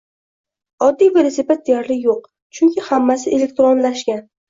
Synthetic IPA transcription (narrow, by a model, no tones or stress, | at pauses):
ɒd̪ːijvelosipat̪̚d̪ejaɾlɪjoq̚ | t͡ʃʰʊŋʲkʲʰɪhamːasɪʔele̞k̚ʲt̪ɾonlaʃkʲan